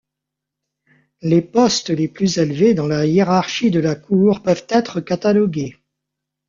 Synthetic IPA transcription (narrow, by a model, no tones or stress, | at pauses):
lepɔst̪leplyzelved̪ɑ̃lajeʁaʁʃid̪əlakʰuʁpœvt̪ɛt̪χəkat̪alɔɡʲe